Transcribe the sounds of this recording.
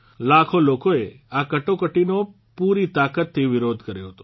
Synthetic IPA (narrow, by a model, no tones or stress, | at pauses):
lakʰolokoe | akəʈokəʈino | puɾit̪akət̪ʰːiʋɪɾod̪ʱkəɾjoɦət̪o̥